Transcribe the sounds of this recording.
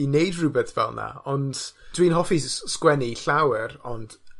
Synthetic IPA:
inejdrɨbɛθvɛ̰lˠna̰ɔnd̥dwinɦɔfiskwɛniɬawəɾɔnd̥

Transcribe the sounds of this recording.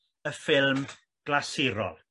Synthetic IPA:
əfɪlˠm | ɡ̥lasɪɾɔ̰lˠ

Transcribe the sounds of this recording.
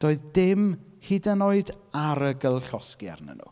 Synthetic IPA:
d̥oːɨðdɪmhidənoɨdaɾəɡəlˠɬɔskja̰rnə̰nṵ

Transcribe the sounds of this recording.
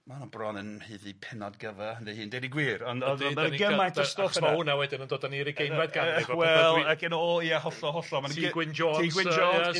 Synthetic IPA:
manubrɔnənhɨːðipʰɪnɔdɡəvəhənðɛhiːndejdiɡwiːɾɔndɔniɡɛmajntʰɔsɔauːnawɛdɪnəndoːdaniɾiɡejmadɡaɪwɛlˠakɪnɔiaɦɔɬɔɦɔɬɔmanɡwɪnd͡ʒɔiɡwɪd͡ʒɔɛ

